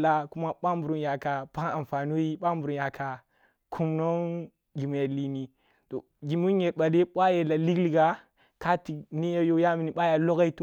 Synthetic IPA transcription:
la˦ku˦ma˦ɓa˦m˦bu˨ɾu˦nja˨ka˨pa˦ŋa˨m˨fa˨nu˦i˦ɓa˦mbu˨ɾu˨nja˨kʰa˨ | kʰu˦mno˦ŋ | ɡi˨m˨ja˨li˦ni˨ | to˨ | ɡi˨mu˦ɲe˨ɾɓa˨de˦ɓʷa˦je˨la˨li˦ɡli˨ɡa˨ | ka˦ti˨ni˦ja˦jo˦ja˦mi˨ni˨ɓa˦ja˨lo˦ɡa˦i˦tu˦

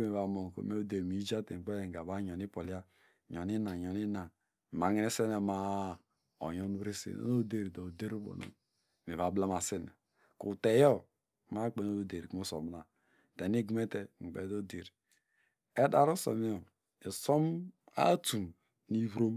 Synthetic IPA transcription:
me˨βa˨mo˨n˨ko̰˨me˦o˦de˨ɾmi˦d͡ʒa˦tḛ˨k͡pe˦je˨ŋ̩˨ɡa˨ba˦ɲo˨ni˦po˨li˦a˦ | ɲo˨ni˦na˨ɲo˨ni˦na˨ | ma˨˦ŋi˦ne˦se˦ne˨ma˦ | o̰˨ɲo˦n˦bɾe˦sḛ˨no̰˦no˦de˦ɾi˨do˨de˦ɾu˦bo̰˨no̰˨ | me˨βa˨˦bla˦ma˨se˦nḛ˨ | kṵ˨te˨jo˦˨ | ma˦k͡pe˨no˦o˨˦de˨ɾi˨ku˦so̰˨m˨na˨ | te˨ni˦ɡme˦te˦ŋ͡m̩˨k͡pe˨˦do˦de˨ɾi˨ | e˦da˨ɾo˦so̰˨mi˦o˨ | e˨so˦m | a̰˦tu˨m | ni˦βɾo˦m

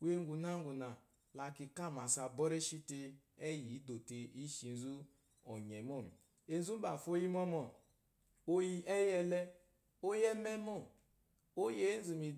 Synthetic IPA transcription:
wʷe˦ŋ˦ɡu˨na˦ŋɡu˨na˨ | la˨ki˨ka˦˨ma˨sa˨bɔ˦ɾɛ˦ʃi˦te˧ | ɛ˦ji˨˦do˨te˨i˦ʃi˨n̩˦zu˦ | ɔ˨ɲɛ˨mo˦˨mḭ˨ | e˨n˦zu˦m˦ba˨fo˦ji˦mɔ˦mɔ˨ | o˦ji˦ʔɛ˦jɛ˦lɛ˦ | o˦jɛ˦mɛ˦mo˦˨ | o˦je˨˦n̩˦zu˨mi˨

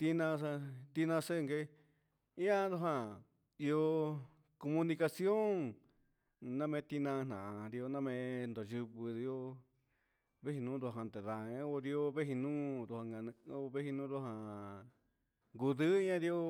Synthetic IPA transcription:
t̪i˧nã˧a˧t̪i˦˧nã˧se˦˧ŋɡe˧˦ | i˦ã˦ðo˧ɦã˧ | i˧o˧ | ko˧mũ˧nĩ˧ka˧sjo˦ŋ | nã˦mẽ˧˦t̪i˧nã˧n̥ã˨˧ɾi˧o˧nã˦˧mẽ˧nd̪o˨ʒɨ˧βɨ˧ði˧o˦ | βe˦hi˧nũː˦ɾo˧˨ɦã˧nt̪e˨ða˨ẽ˦o˧ɾi˧o˦βe˦ɦi˧nũː˦ɾo˧a˧ŋɡa˧nɨ̃˧o˦˧βe˦hi˧nũː˦ɾo˧ɦã˧ | ŋɡu˧ðɨ˦ã˦ɾi˧o˦

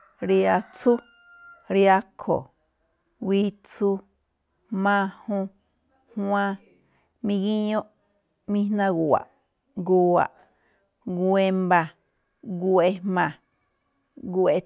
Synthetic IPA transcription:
ɾja˧t͡su˦ | ɾja˧kʰo̰˨ | wi˦t͡su˦ | mã˦˧hũ˧ | hw̃ã˧ | mĩ˧ɡĩ˦ɲõ˦ʔ | mĩ˧nã˧ɡwa̰˨ʔ | ɡuː˧a̰˨ʔ | ɡwe˧mba˧ | ɡe˧mã˨˧ | ɡwe˧

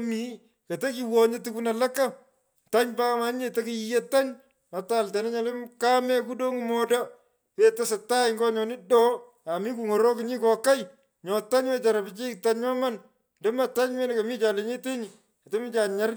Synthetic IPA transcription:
mi˦ | ka˨te˦ki˨wɔ˨ɲe˦tɪ˦ku˦na˨la˦kːa˦ | ta˦ɲba˦kma˦ɲ˦e˨ta˦kɪ˨je˦ta˦ɲ | nɔ˨ta˨ltɛ˨nɛ˦ɲa˦lɪ˦mka˦mɛ˦ku˦do˦ŋmɔda˦ | we˦ta˦sa˨ta˦ɪŋɡɔ˦ɲɔ˨nɪ˦dɔ˦ | a˨mi˦k̬u˨ŋɔ˨ɾɔ˦kɪ˨ɲi˦kɔ˨ka˦j | ɲɔ˨ta˦ɲwɛ˦t͡ʃa˨ɾa˨bɪ˨t͡ʃi˦kta˦ɲɲɔ˦ma˦n | ndɛ˦ma˦˨ta˦ɲwɛ˦n˦ka˨mi˦t͡ʃa˨le˨˦ɲe˦te˦ɲɪ˨ | ka˨tɛ˦mi˦t͡ʃa˨ɲa˦ɾ

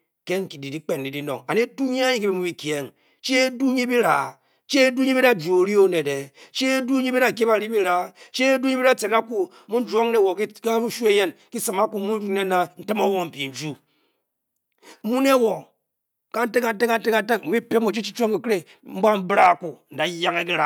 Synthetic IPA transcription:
ke˦ŋ̩˦ki˨di˨di˦k͡pe˨n˨i˨di˦no˨ŋa˨ne˦tu˦ɲe˦a˦ɲi˨ki˦bi˦mu˦bi˦kje˦ŋ | t͡ʃi˦e˦du˦ɲi˦bi˦ɾa˨ | t͡ʃe˦du˦ɲe˦bi˦ɾa˦˨d͡ʒu˨o˨ɾi˦o˦ne˨de˨t͡ʃi˦e˦du˦ɲi˦bi˦ɾa˨ke˦ba˨ɾi˦bi˦ɾa˨t͡ʃe˦du˦ɲe˦i˦ɾa˦t͡se˨na˦ku˦ | u˦n̩˦d͡ʒo˦ŋne˦˨wo˨kka˦u˦ʃu˦e˦je˦nki˦sɨ˨ma˦ku˨˦mu˦d͡ʒu˦ne˦na˨n̩˦tɨ˦mo˦wo˨m̩˨pi˨n̩˦d͡ʒu˦ | mu˦n˦e˦wo˨ | ka˦n̩˦te˦ka˨n̩˦te˦ka˨n˦te˦ka˦te˦kmu˦bi˦pe˦mo˨t͡ʃi˦t͡ʃi˦t͡ʃo˦ŋki˨ke˦ | m̩˦ba˦m̩˦bɾa˦˨ku˨n̩˨da˨˦ja˦ŋe˦ki˦ɾa˨

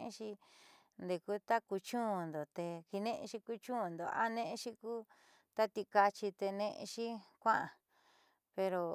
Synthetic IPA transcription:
ḛ̃˦ʃi˧ | nd̪e˧˨ku˦t̪a˦ku˧t͡ʃũ˦˧˨nd̪o˨t̪e˧ki˧nẽ˦ʔẽ˧ʃi˧ku˦t͡ʃũ˦˨nd̪o˨a̰˦nẽ˦ʔẽ˦ʃi˧kuː˦ | t̪a˦t̪i˧ka˧t͡ʃi˧t̪e˧nẽ˧ʔʃi˦kʷã˦ʔã˨ | pe˧ɾo˧

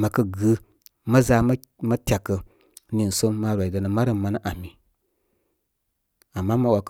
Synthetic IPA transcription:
ma˨kə˦ɡɨ˨˦ | ma˦za˦m˦ | ma˦tʲa˨kːə˨ | ni˨n̩˨so˦mːa˦ɾʷwa˨i˨da˨nə˨ma˦ɾə˦˨ma˦na˦ʔa˨mi˨ | a˨mːa˦ma˦wa˨k

